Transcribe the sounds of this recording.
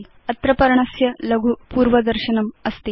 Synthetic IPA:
ɐt̪ɾɐpɐɾɐɳɐsjɐlɐɡʱupuːɾʋɐd̪ɐɾʃɐnɐmɐst̪i

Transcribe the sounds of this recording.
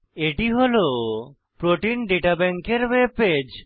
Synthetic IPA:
eʈiɦolo | pɾoʈinɖeʈabɛŋkeɾweped͡ʑ

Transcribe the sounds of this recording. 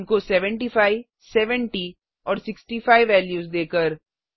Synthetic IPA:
nkosɛʋə̃ɳʈifaːɪ | sɛːʋə̃ɳʈi | ɔːɾsɪksʈifaːɪʋːɛːljuːzd̪eːkəɾ

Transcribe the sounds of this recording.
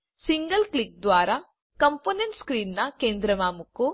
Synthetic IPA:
siŋɡɐlklik̚d̪ʋaːɾɐ | kɐmpoːneɳʈskɾiːnːɐkeːnd̪ɾɐʋaːmukːu

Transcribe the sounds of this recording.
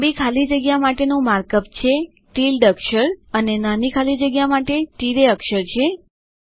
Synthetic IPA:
bikʰalid͡ʒəɡjamaʈenũmaɾkəpt͡ʃʰe | ʈilɖəkʃəɾənenanikʰalid͡ʒəɡjamaʈeʈiɾeəkʃəɾt͡ʃʰe

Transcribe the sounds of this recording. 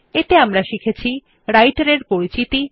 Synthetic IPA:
et̪eamɾaʃikʰet͡ɕʰi | ɾajʈaɾeɾpoɾit͡ɕit̪i

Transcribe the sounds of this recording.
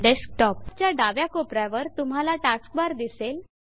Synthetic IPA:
ɖesk̚ʈɔp̚t͡ɕjaɖaʋjakopɾaʋəɾt̪um̤ɦalaʈask̚baɾd̪isel

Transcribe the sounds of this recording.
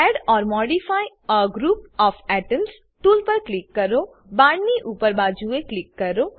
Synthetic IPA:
ɛɖɔːɾmɔːɖifʰaːj | əɡɾuːp̚ɔːfɛʈəms | ʈuːlpəɾklikːɐɾo | bãːɽniʔuːpəɾbaːd͡ʒueklɪkːɐɾo

